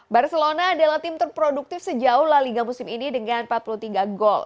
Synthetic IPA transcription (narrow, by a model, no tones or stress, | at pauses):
barsəlonaːdalaht̪ɪmt̪ərpɾoduk̚t̪ɪfsəd͡ʒauhlaliɡamusɪminidəŋanpat̪̚pulut̪iɡaɡɔl